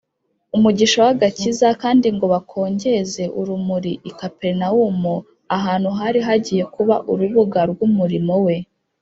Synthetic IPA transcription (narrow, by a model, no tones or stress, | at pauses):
umuɟiʃowaɡacizakaːndiŋɡo̞βakʰo̞ːɲɟe̞ze̞ʔuɾumuɾiʔikape̞ɾnawumu | aɦaːn̥huɦaɾiɦaɟije̞kuβaʔuɾuβuɡaɾɡumuɾimo̞we̞